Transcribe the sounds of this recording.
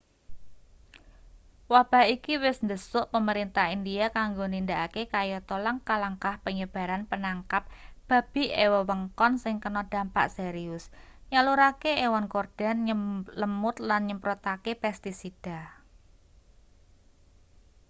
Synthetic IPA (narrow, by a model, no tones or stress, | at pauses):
wab̥a̤hikiwɪsnd̪əsʊʔpəməɾint̪ahindiakaŋɡonindaʔakekajɔt̪ɔlaŋkahlaŋkahpəɲəb̥a̤ɾanpənaŋkap̚b̥a̤b̥i̤ʔewəwəŋkɔnsɪŋkənɔd̪̥a̤mpa̰ʔseɾiʊsɲaluɾakeewankord̥a̤nɲələmʊt̪lanɲəmpɾot̪akepɛst̪isid̥a̤